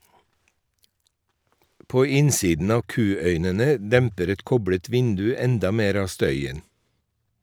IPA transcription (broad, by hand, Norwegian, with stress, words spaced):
ˈpoː ˈɪnsiːdn̩ ˈɑːʋ ˈkʉːœʏnənə ˈdɛmpəɾ ˈɛt ˈkɔbɽət ˈʋɪndʉ ˈɛndɑ ˈmeːɾ ˈɑː ˈstœʏən